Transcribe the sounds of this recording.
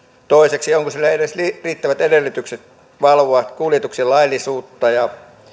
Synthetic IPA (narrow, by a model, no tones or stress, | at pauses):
t̪oˑiseksioŋkosilːæedesliriːt̪ːæʋæt̪edelːˑyt̪ykset̪ | ʋɑlʋoɑt̪kuːljet̪uksilɑilːˑisuːt̪ːɑjɑ